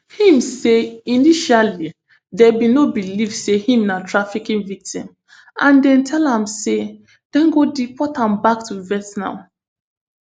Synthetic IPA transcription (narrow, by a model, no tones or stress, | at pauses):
hĩmseiniʃali | dɛbinobilifsehĩmnatʰɹafikĩŋvik̚tĩm | ãndɛ̃ntʰɛlãmse | d̥ɛ̃nɡodipʰɔtãmbak̚tuvɛtnã̰